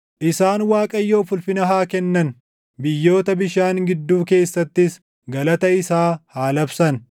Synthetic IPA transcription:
ʔɪsaːnwaːkʼɐjːo̞ːfʊlfɪnɐɦaːkɛnːɐn | bɪjːo̞ːt̪ɐbɪʃaːŋɡɪd̪ːuːke̞ːsːɐt̪ːɪs | ɡɐlɐt̪ɐɪsaːhaːlɐbsɐn

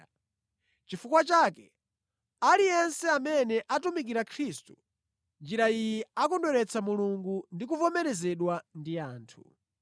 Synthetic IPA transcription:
t͡ʃifukwat͡ʃaːkɛ | alijɛnsɛamɛnɛʔatumik̬iɾakʰɾistu̥ | nd͡ʒiɾaijiakɔndɔɾɛt͡sʰamuluŋɡundik̬uvɔmɛɾɛzɛɗwandiaːntʰu

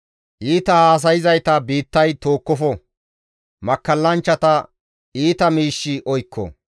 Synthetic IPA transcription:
ʔiːt̪ɐhaːs̬ɐjɪzɐjt̪ɐbiːt̪ːɐjt̪o̞ːkːɔfɔ | mɐkːɐlːɐnt͡ʃːɐt̪ɐ | iːt̪ɐmiːʃːɪʔɔjkʰːɔ̰

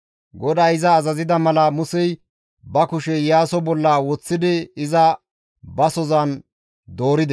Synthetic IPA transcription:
ɡɔd̪aːɪzɐːzɐzɪd̪ɐmɐlɐmʊsɛj | bɐkʊʃɛjaːsɔbɔlːɐwɔt͡sːɪd̪ɪɪzɐ | bɐsɔzɐn | d̪o̞ːɾɪd̪ɛ

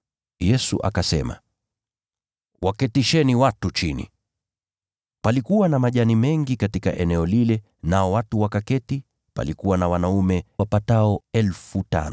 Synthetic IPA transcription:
jɛsṵʔa̰kasɛma̰ | wakɛtiʃɛniwatut͡ʃinḭ | palikuwanamaʄanimɛŋɡikatika̰ʔɛnɛɔlilɛ | naɔwatuwakakɛti | pa̰likuwanawanaumɛwapataɔɛlfuta̰nɔ

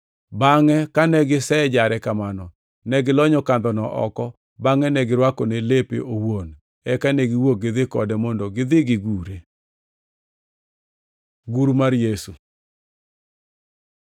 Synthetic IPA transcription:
baŋɛkanɛɡɪsɛd͡ʒaɾɛkamanɔ | nɛɡɪlɔɲɔkand̪ɔnɔʔɔ̰kɔ | baŋɛnɛɡɪɾwakɔnelepḛʔowon | ɛkanɛɡɪwoɡɪðɪkɔdɛmɔndɔɡɪd̪ɪɡɪɡuɾe | ɡuɾmaɾjesu

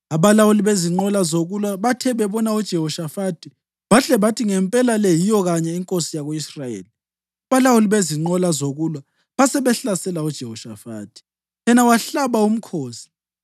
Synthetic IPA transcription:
aβalawuliβeziŋ͡ǃɔlazoɣulwaβatʰɛβɛβɔnaud̥ʒ̥ʱɛhɔʃafatʰʼi | βaɬɛβatʰiŋɛmpʼɛlalejijɔɣaɲɛiŋkʼosijaɣoisrajḛːli | aβalawuliβeziŋ͡ǃɔlazoɣulwa | βasɛβɛɬasɛlaud̥ʒ̥ʱɛhɔʃa̰fa̰ːtʰʼi̥ | jɛnawaɬaβaum̩kʰoːsi̥

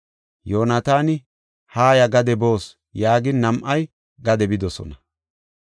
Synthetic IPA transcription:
jo̞ːnɐt̪aːnɪ | haːjɐɡɐd̪ɛbo̞ːs | jaːɡɪnnɐmʔɐj | ɡɐd̪ɛbɪd̪ɔsɔ̰nɐ

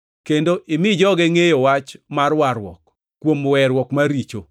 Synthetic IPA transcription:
kendoʔɪmɪd͡ʒɔɡɛŋejowat͡ʃmarwaɾwɔ̰k | kːwomwɛɾwɔkmaɾit͡ʃo̰

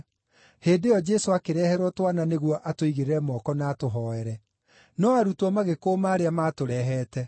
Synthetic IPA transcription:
heːdeɔd͡ʒɛsoakeɾɛhɛɾwɔtwananeɣwɔʔatoiɣeɾeɾɛmɔkɔnaːtoɦɔɛɾɛ | nɔaɾutɔmaɣekoːmaːɾeamatoɾɛːɦɛːtɛ

